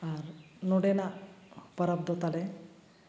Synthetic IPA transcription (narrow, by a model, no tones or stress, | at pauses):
aɾnoɽenapəɾəb̚d̪ɔt̪ale